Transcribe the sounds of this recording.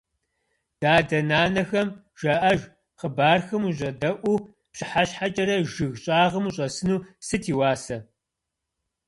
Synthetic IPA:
d̥aːdɐnaːnɐxɐm | ʒ̥ɐʔɐʒ | qəbaːrxɐmuʑɐdɐʔʷu | pɕɪħaɕħat͡ʃʼɐɾɐʒɨɣɕʼaːʁɐmuɕʼɐsɨnuːsɨtʰiːwaːsɐ

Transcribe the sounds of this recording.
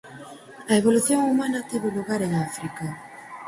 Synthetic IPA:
ɐeβoluθjoŋumanat̪iβeluɣaɾeŋafɾika

